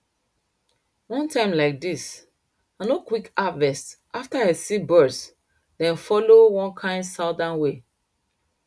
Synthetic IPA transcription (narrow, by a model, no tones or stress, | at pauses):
wɔ̃ntʰãɪ̃mlaɪk̚dis | ãnokwikavɛstʔaftahɛsibɜds | dɛ̃nfɔlowɔ̃nkʰãɪ̃ndsadãnwe